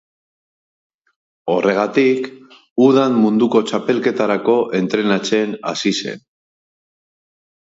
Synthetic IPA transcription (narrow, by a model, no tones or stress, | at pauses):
o̞re̞ɣ̞at̪ik | uðanmund̪uko̞t͡ʃape̞lke̞t̪aɾako̞ʔe̞nt̪ɾe̞nat͡se̞na̰sise̞̰n